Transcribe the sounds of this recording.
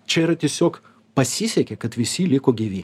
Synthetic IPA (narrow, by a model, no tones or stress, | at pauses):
t͡ʃʲɛiɾɐt̪ʲiɛsʲoːk | pɐsʲisʲɛkʲɛkɐt̪ʋʲɪsʲɪlʲɪkoːɡʲiʋʲiː